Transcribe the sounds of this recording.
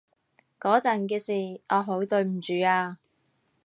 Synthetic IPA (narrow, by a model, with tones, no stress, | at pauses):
kɔː˨˥t͡sɐ˨˩nkɛː˧siː˨˩ɔː˨˧ɦo˨˥wt̪ɵ˧ɥm̩˨˩t͡ʃyː˨˧aː˧